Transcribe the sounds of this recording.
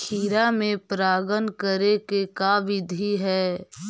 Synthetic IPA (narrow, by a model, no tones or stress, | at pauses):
kʰiːɾamẽpɾaːɡənkəɾekekaʋɪd̪ʱiɦɛː